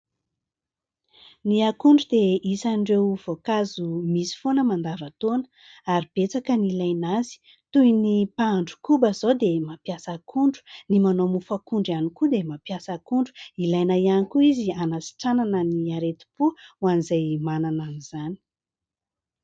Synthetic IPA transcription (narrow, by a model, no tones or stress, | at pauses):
niakuɳɖ͡ʐud̪eisanɖ͡ʐewv̥okazumisi̥fonəmand̪avat̪on | aɾib̥et͡sakənilajnazi̥ | t̪ujnipaɳɖ͡ʐu̥kubəzowd̪emapjasakʰuɳɖ͡ʐu̥nimanomufakuɳɖ͡ʐanikud̪emapjasakuɳɖ͡ʐu̥ilajnajanikuizianasi̥ʈ͡ʂananəniaɾet̪i̥puwanizajmanananiz̥ani̥